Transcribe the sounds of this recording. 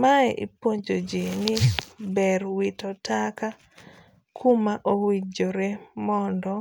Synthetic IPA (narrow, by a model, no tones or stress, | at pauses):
maɛʔḭpoɲd͡ʒod͡ʒinɪbɛɾwitɔtʰaka | kʰumaʔowid͡ʒoɾɛmɔndɔ